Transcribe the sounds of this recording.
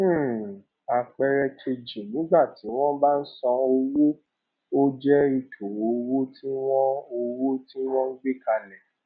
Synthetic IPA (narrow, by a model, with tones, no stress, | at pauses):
a˨k͡pɛ˧ɾɛ˧t͡ʃe˧d͡ʒi˨nĩ˨˦ɡ͡ba˦˨ti˨˦w̃ɔ̃˦ba˦n̩˦sɔ̃˧o˧wo˦ | o˦d͡ʒɛ˦i˧tʰo˨o˨˧wo˦ti˦w̃ɔ̃˦o˧wo˦ti˦w̃ɔ̃˦ŋ̩˦ɡ͡be˦ka˧lɛ̃˨